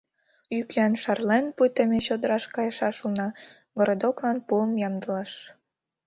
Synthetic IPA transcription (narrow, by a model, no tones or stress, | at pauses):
ykænʃɑrlenpujt̪əmeɕod̪əɾɑʃkɑjəʃɑʃunɑ | ɡoɾod̪oklɑnpuəmjɑmd̪əlɑʃ